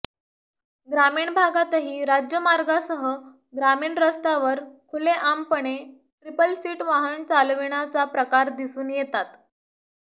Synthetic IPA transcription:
ɡɾamiːɳbʱaɡat̪əɦiːɾad͡ʑjəmaɾɡasəɦə | ɡɾamiːɳɾəst̪aʋəɾkʰuleʔampəɳe | ʈɾipəlsiːʈʋaɦənt͡salʋeɳ̃at͡sapɾəkaɾd̪isuːnjet̪at̪

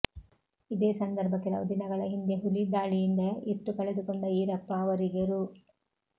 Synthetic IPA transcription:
id̪eːsɐnd̪ɐɾbʱɐkːɛlɐ̰ʋɐd̪inɐɡɐɭɐɦind̪eɦulid̪aːɭijind̪ɐʔet̪ːukɐɭed̪ukoɳɖɐiːɾɐpːaːʋɐɾiɡɐɾu

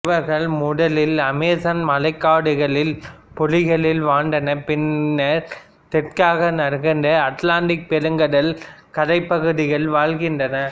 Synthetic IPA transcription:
ʋɐɾɣɐɭmʊɽɐlɪlɐmeːsɐnmɐlɐɪkːaːɽɯɣɐɭɪlpɔlɪɣɐɭɪlʋaːɳɖɐnɐpɪnːɐ | t̪ɛʈkaːɣɐnɐɾɣɐnd̪ɐɐʈlaːɳɖɪk̚pɛɾɯŋɡɐɽɐlkɐðɐɪpːɐɣɯðɪɣɐɭʋaːɭɣɪndrɐnɐ

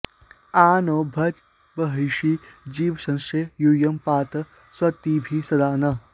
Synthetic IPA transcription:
aːnoːbʱɐd͡ʒ | bɐɦɐjʃid͡ʒiːʋsɐ̃nʃejuːjɐmpaːt̪ɐ | swɐt̪iːbʱisɐd̪aːnɐ

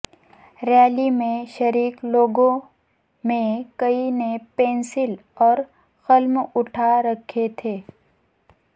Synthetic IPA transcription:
ɾɛːlimẽʃɐɾiːkloːɡõ | mẽkɐinepẽːnsɪlɔːɾ | xɐlmʊʈʰaɾɐkʰet̪ʰeː

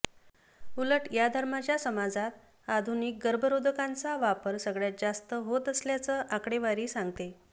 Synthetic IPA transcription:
uləʈjad̪ʱəɾmat͡ɕjasəmad͡zat̪ | ad̪ʱunik̚ɡəɾbʱəɾod̪ʱəkant͡saʋapəɾsəɡɭjat̪̚d͡zast̪əɦot̪əsljat͡səʔakɽeʋaɾiːsãŋɡt̪e

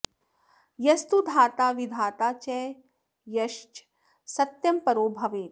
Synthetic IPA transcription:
jɐst̪ud̪ʱaːt̪aːʋid̪ʱaːt̪aːt͡ʃɛː | jɐʃt͡ʃ | sɐt̪jɐmpɐɾoːbʱɐʋeːt̪

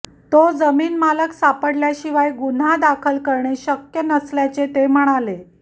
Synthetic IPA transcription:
t̪od͡zəmiːnmaləksapəɽljaɕiʋajɡun̤ad̪akʰəlkəɾɳeɕəkjənəsljat͡set̪em̤əɽ̃ale

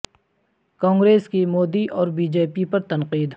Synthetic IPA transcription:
kɔ̃ːŋɡɾeːskimoːd̪iʔɔːɾbiːd͡ʒeːpipɐɾt̪ɐnqiːd̪

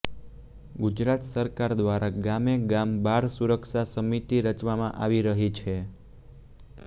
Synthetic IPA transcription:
ɡud͡ʒɾat̪səɾkaɾd̪ʋaɾaɡameɡambaɾsuɾəkʃasəmit̪iɾət͡ʃʋamã̰ʔaʋiɾəɦit͡ʃʰe

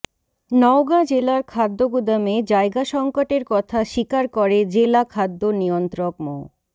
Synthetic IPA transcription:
nɔwɡad͡ʑelaɾkʰad̪ːoɡud̪amed͡ʑaeɡaʃɔŋkoʈeɾkɔt̪ʰaʃikaɾkoɾed͡ʑelakʰad̪ːonijont̪ɾokmo̰

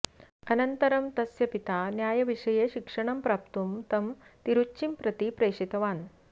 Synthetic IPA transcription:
ɐnɐnt̪ɐɾɐmt̪ɐsjɐpit̪aːnjaːjɐʋiʂɐjeːʃikʂɐɳ̃ɐmpɾaːp̚t̪umt̪ɐmt̪iɾut͡ʃːt͡ʃːimpɾɐt̪ipɾeːʂit̪ɐʋaːn

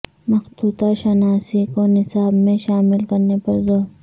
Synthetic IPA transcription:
mɐxt̪uːt̪aʃɐnaːsikonɪsaːbmẽʃaːmɪlkɐɾnepɐɾzoːɾ

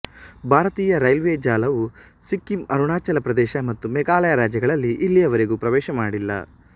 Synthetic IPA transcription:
bʱaːɾɐt̪iːjɐɾɐjlʋeːd͡ʒaːlɐʋu | sikːimɐɾuɳaːt͡ʃɐlɐpɾɐd̪ɛːʃɐmɐt̪ːumɛkaːlɐjɐɾaːd͡ʒjɐɡɐɭɐlːiʔːlːiɐʋɐɾeɡuːpɾɐʋɛːʃɐmaːɽilːɐ̰

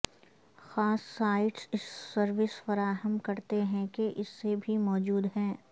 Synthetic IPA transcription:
xaːsːaːɪʈsɪsːɐɾʋɪsfɐɾaːɦəmkɐɾt̪eɦɛ̃keʔɪsːebʱimɔːd͡ʒuːd̪ɦɛ̃ː

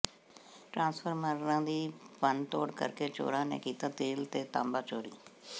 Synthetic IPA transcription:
ʈɾãːnspʰəɾməɾɾãːd̪iːpənʈ̪o̰ːɽkə̰ɾkeːt͡ʃo̰ːɾãːnḛːkiːt̪aːt̪eːlt̪eːt̪ãːmbaːt͡ʃoːɾḭː

